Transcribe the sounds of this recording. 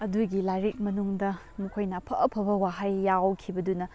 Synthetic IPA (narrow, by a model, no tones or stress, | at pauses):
ɐduɡilajɾik̚mɐnuŋdɐ | mukʰojnɐpʰɐʔɐpʰɐbɐwaɦajːawkʰibɐdunɐ